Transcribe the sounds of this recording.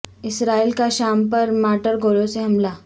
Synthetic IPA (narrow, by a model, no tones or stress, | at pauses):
ɪsɾaiːlkaɕampəɾmaʈəɾɡʱoloseɦɐmla